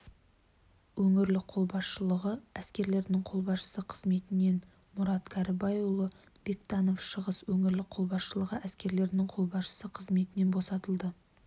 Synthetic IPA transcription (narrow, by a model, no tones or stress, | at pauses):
wɵŋɪɾlɪkqʰo̞lˠbɑsʃəlˠəʁəæskʲe̞ɾle̞ɾɪnɪŋqʰo̞lˠbɑsʃə̥səqʰəzme̞t̪ɪne̞n | mʊɾɑt̪kʲʰæɾɪbɑjwulˠə | b̥e̞kt̪ɑno̞fʃəʁəswɵŋɪɾlɪqʰo̞lˠbɑsʃəlˠəʁəʔæskʲe̞ɾle̞ɾɪnɪŋqʰo̞lˠbɑsʃə̥səqʰəzme̞t̪ɪne̞nbo̞sɑt̪əlˠd̪ə